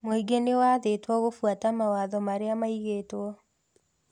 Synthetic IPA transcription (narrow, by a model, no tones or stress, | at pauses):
moiɡenewaðetwɔɣofwatamawaːðɔmaɾeamaiɣeːtwɔ